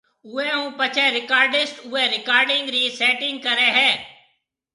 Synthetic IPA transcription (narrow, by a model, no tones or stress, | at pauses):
ʊẽːɦũːpət͡ʃʰɛːɾɪkaːɾɖɪsʈʊẽːɾɪkaːɾɖɪ̃ŋɡɾiːsɛːʈɪ̃ŋɡ̚kəɾɛːɦɛː